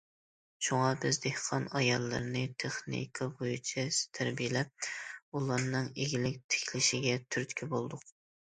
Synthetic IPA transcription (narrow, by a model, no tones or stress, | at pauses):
ʃuŋɑbɪzd̪ehqʰɑnɑjɑlˠːɨ̰ɾnɨt̪ʰeχnḭkʰɑbojut͡ʃʰist̪ʰæɾbijɪlɛp̚ulˠɑɾnɨŋeɡʲilɪk̚ʲt̪ʰe̥kʲʰlɪʃɪɡʲɛt̪ʰyɾt̪kʲʰibolˠd̪ʊq̚